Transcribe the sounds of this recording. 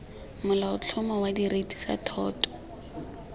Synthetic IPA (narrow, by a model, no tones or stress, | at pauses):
mʊlaʊt͡ɬʰʊmɔwadiretʼi̥sa̰tʰɔːtʰʼɔ̥